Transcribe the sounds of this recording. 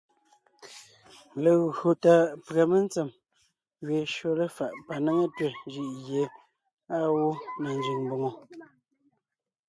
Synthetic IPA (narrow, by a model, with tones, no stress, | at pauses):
le˨ɣo˨ta˨pɰa˨me˦˨n˦t͡se˨m | ɥe˨ʃo˨le˦fa˨ʔpa˨ne˦ŋe˦twe˨nd͡ʒi˦ʔɣje˨˦ | a˦˨wo˦na˨n˦d͡ʒi˨ŋmbo˨ŋo˨